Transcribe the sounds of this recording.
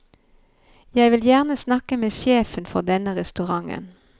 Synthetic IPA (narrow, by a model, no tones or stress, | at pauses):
jæɪʋɪljæːʁnəsnɑkəmeːʃeːfənfɔʁd̪ɛnəʁɛst̪ʉʁɑŋə̰n